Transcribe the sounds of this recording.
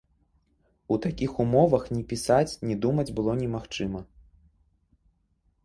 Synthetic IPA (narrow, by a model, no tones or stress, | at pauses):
ut̪akʲixumɔvɐxnʲɛpʲisat͡sʲnʲɛd̪umɐd͡zʲbɨlˠɔnʲɛmaxt͡ʂɨmɐ